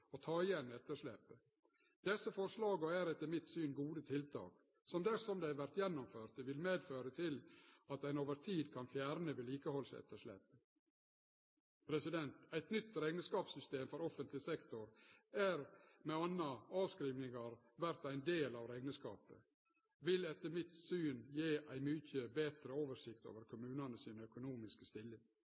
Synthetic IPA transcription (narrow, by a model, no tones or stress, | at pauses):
ɔt̪ʰɑːɪjɛnːɛt̪ːəʂɭɛpːə | d̪ɛsːəfɔɾʂlɑːɡəɔæːɾət̪əmɪt̪syːnɡuːd̪ət̪ʰɪlt̪ʰɑ̰ːk | sɔmd̪æsɔmd̪æɪæʋæɾt̪jɛnːɔmføːɾt̪əʋɪlmeːd̪føːɾət̪ʰɪlɑt̪æɪnoːʋəɾt̪ʰiːd̪kʰɑnfjæːɾnəʋeːliːkəhɔlsɛ̰t̪ːəʂlɛ̰pə | pʰɾɛsɪd̪ɛnt̪æɪt̪nʏt̪ːɾæɪnəskɑːpsʏst̪eːmfɔɾɔfənt̪lɪsɛkt̪ʊɾæɾmɛɑnːɑɑːʋskɾiːʋnɪŋɑɾ | ʋæɾt̪æɪnd̪eːlɑːʋɾæɪɡnəskɑ̰ːpə̰ | ʋɪlɛt̪ːəmɪt̪syːnjeːʔæɪmyçəbeːt̪ɾəoːʋəʂɪkt̪o̰ːʋəɾkʰʊmʉːnɑnəsiːnəœkʊnuːmɪskəst̪ɪlːɪŋ